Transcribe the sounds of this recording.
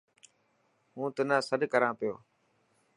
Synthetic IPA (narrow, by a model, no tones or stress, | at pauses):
ɦũːt̪ʊnãːsəɗkəɾãːpɪjoː